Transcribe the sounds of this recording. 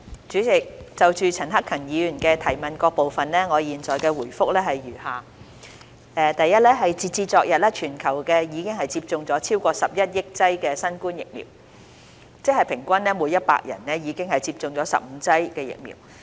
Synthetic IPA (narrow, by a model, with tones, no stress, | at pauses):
t͡ʃyː˨˥t͡sɪ˨k̚t͡sɐ˨wt͡ʃyː˨t͡sʰɐ˨˩nɦɐ˥kʰɐ˨˩ŋjiː˨˧jyː˨˩nkɛː˧t̪ʰɐ˨˩jmɐ˨nkɔː˧k̚po˨˧wfɐ˨nlɛ˥ŋɔː˨˧jiː˨nt͡sɔː˨jkɛː˧wuː˨˩jfʊ˥k̚lɛː˥hɐ˨jɥyː˨˩haː˨ | ɛː˧t̪ɐ˨jːɐ˥t̚lɛː˥ɦɐ˨jt͡siː˨˧t͡siː˧t͡sɔː˨k̚jɐ˨t̚lɛː˥t͡ʃʰyː˨˩nkʰɐ˨˩wkɛː˧jiː˨˧kɪ˥ŋɦɐ˨jt͡siː˧p̚t͡sʊ˨˧ŋt͡sɔː˨˥t͡sʰiː˥wkʷɔː˧sɐ˨p̚jɐ˥t̚jɪ˥k̚t͡sɐ˥jkɛː˧sɐ˥nkuː˥njɪ˨k̚mḭ˨˩w | t͡sɪ˥k̚hɐ˨˩jpʰɪ˨˩ŋkʷɐ˥nlɛː˥muː˨˧jɐ˥t̚pa̰ː˧k̚jɐ̰˨˩nɛ˥jiː˨˧kɪ˥ŋɦɐ˨jt͡siː˧p̚t͡sʊ˨˧ŋt͡sɔː˨˧˥sɐ̰˨p̚m̩˨˧t͡sɐ˥jkɛː˧jɪ̰˨k̚mḭː˨˩w